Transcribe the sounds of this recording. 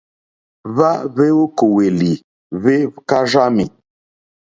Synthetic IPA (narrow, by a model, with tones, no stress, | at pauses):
va˦ve˦wu˦ko˨we˨li˨ | ve˦ka˦ʒa˦mḭ˨